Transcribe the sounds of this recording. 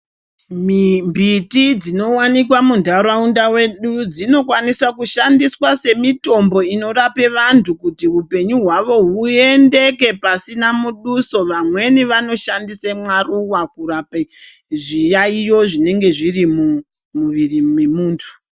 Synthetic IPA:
mimbʱitid͡zino̞wanikwamundʱaɾaundawe̞ɗud͡zino̞kwanisakuʃandiswase̞mito̞mbo̞ino̞rape̞ʋantʰukutiupe̞ɲuɦwaʋo̞ɦue̞nde̞ke̞pasinamuɗuso̞ʋamwe̞niʋano̞ʃandisemwaruwakurape | ʐijaijo̞ʐine̞ŋɡe̞ʐirimu | muʋirimemuːntʰu̥

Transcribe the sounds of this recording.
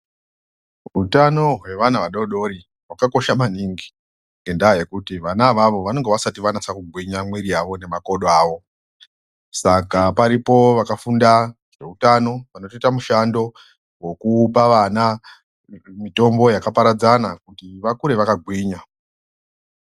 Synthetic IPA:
utano̞ɦwe̞ʋanaʋaɗo̞ɗo̞ɾi | wakako̞ʃamaniŋɡi | ŋɡe̞ndaːje̞kutiʋanaʋaʋo̞ʋano̞ŋɡeʋasatiʋanasakuɡʱwiɲamwiɾiaʋo̞ne̞mako̞ɗoaːʋo̞ | sakapaɾipo̞ʋakafunda | ʐe̞utano̞ʋano̞titamuʃando̞ | wokuːpaʋana | mito̞mbo̞jakapaɾad͡zanakutiʋakuɾe̞ʋakaɡʱwiːɲa

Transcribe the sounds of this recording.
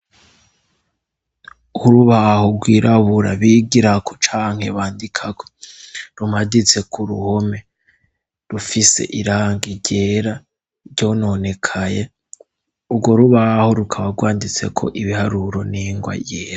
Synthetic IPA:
uɾuβahoɡwiːɾʔaβuɾaβiːɡiɾakʰo̥t͡ʃaːŋ̥he̞βaːndikʰaɡoɾumadit͡se̞kʰuɾṵho̞me̞ | ɾufise̞̰ʔiɾaːŋɡiɟeːɾa | ɾɟo̞no̞ne̞kʰaje | ubɡwo̞ɾuβaho̞ɾukʰaβaɡwaːndit͡sekʰo̞̰ʔiβihaɾuɾo̞niŋɡwa̰jeːɾa

